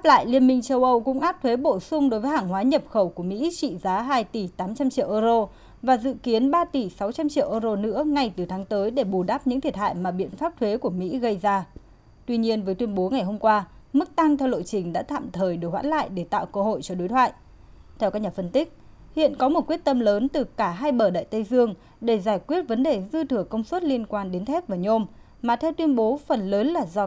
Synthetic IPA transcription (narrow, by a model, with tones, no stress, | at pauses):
ʔa˦˥p̚la̰ː˧˨jli˧˩ənmï˧ŋt͡ɕə˧wʔə˧wkʊ̰˧˥ŋ͡mʔaː˦˥p̚t̪ʰwe˨˦ɓo˧˩sʊ˧ŋ͡mɗo˨˦jvəː˨˦jhaː˧˩ŋɦwaː˨˦ɲə˨˩p̚xə˧˩wku˧˩əmḭ˧˥t͡ɕḭ˧˨zaː˨˦ɦaː˧jt̪i˧˩t̪aː˨˦mt͡ɕa˧mt͡ɕḭ˧˨əwʔəː˧zo˧ | vaː˨˩zɨ̰˧˨ki˨˦ənɓaː˧t̪i˧˩sa˨˦wt͡ɕa˧mt͡ɕḭ˧˨əwʔəː˧zo˧nɨ̰˧˥əŋa˧jt̪ɨ˨˩t̪ʰaː˨˦ŋt̪əː˨˦jɗe˧˩ɓu˨˩ɗaː˦˥p̚ɲɨ̰˧˥ŋt̪ʰi˨˩ət̚ha̰ː˧˨jmaː˨˩ɓḭ˧˨ənfaː˦˥p̚t̪ʰwe˨˦ku˧˩əmḭ˧˥ɣə˧jzaː˧ | t̪wi˧ɲi˧ənvəː˨˦jt̪wi˧ənɓo˨˦ŋa˨˩jɦo˧mkwaː˧ | mɨ˦˥k̚t̪a˧ŋt̪ʰɛ˧wɗo̰˧˨t͡ɕï˨˩ŋ̟ɗa̰ː˧˥t̪ʰa̰ː˧˨mt̪ʰəː˨˩jɗɨ˨˩k̚wa̰ː˧˥nla̰ː˧˨jɗe˧˩t̪a̰ː˧˨wkəː˧ɦo̰˧˨jt͡ɕɔ˧ɗo˨˦jt̪ʰwa̰ː˧˨jʔ | t̪ʰɛ˧wkaː˦˥k̚ɲaː˨˩fə˧nt̪ï˦˥k̟̚ | hḭ˧˨ənkɔ˨˦mo˨˩t̚kwi˦˥ət̪̚ə˧mləː˨˦nt̪ɨ˨˩kaː˧˩ɦaː˧jɓəː˧˩ɗa̰ː˧˨jt̪ə˧jzɨ˧əŋ | ɗe˧˩zaː˧˩jkwi˦˥ət̚və˨˦nɗe˨˩zɨ˧t̪ʰɨ˧˩əŋkə˧wŋ͡mswə˦˥t̚li˧ənkwaː˧nɗe˨˦nt̪ʰɛ˦˥p̚vaː˨˩ɲo˧m | maː˨˩t̪ʰɛ˧wt̪wi˧ənɓo˨˦fə˨˩nləː˨˦nlaː˨˩zɔ˧